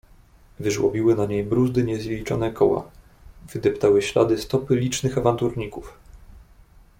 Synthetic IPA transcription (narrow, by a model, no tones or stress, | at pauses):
vɘʐwɔ̰bʲiwɘnaɲejbɾuzd̪ɘɲɛzʲjelʲit͡ʂɔnɛkʰɔwa̰ | v̥ɘd̪ɛpt̪awɘɕla̰d̪ɘst̪ɔpɘlʲit͡ʂnɘxavant̪uɾɲikuf